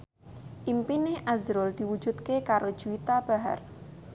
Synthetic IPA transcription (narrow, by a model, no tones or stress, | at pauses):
ʔimpineʔazɾʊld̪̥iwud̥ʒ̥ut̪kekaɾod̥ʒ̥uit̪ab̥a̤ɦa̰r